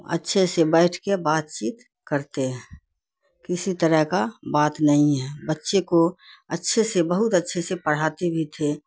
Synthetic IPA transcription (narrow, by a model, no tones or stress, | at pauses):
ə̰tːʃʰesebɛɪʈʰkebaːt̪̚t͡ʃiːt̪ | kəɾt̪eɦɛ̃ | kɪsit̪əɾəɦkabaːt̪nəɦĩɦɛːbətːʃekoətːʃʰesebəɦʊt̪ətːʃʰesepəɽ̤aːt̪ebʱit̪ʰe